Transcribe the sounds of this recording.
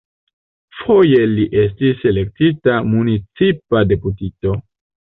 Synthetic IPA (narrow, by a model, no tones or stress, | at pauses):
fo̞je̞liʔe̞s̬tise̞le̞k̚titamunit͡sipade̞putito̞